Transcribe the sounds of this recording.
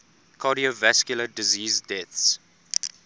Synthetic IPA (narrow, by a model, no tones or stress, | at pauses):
kʰɑɾiovæskjulədiziːzdɛθs